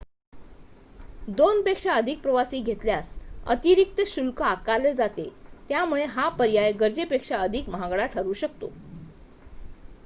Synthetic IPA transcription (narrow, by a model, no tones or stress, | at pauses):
d̪onpekʂaəd̪ʱik̚pɾəʋasiːɡʱet̪ljasə̰t̪iɾik̚t̪əɕulkəakaled͡zat̪et̪jamuɭeɦapəɾjajɡəɾd͡ʑepekʂaəd̪ʱikməɦaɡɭaʈʰəɾuːɕək̚t̪o̰